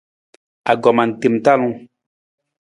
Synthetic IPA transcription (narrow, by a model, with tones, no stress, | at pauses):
a˨ɡɔ˨ma˨n̩˨te˨m˨ta˦˨lũ˦